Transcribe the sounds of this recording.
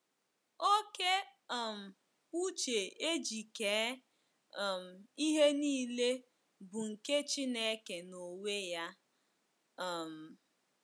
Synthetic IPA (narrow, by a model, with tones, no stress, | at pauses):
o˦ke˦˨m̩˨ | u˦t͡ʃe˨e˦d͡ʒi˨keː˨˦˨ | m̩˨i˦ɦe˦niː˦le˦ | bʊ˨ŋ̩˨ke˦t͡ʃi˦ne˦ke˨no˨we˦ja˦˨ | m̩˨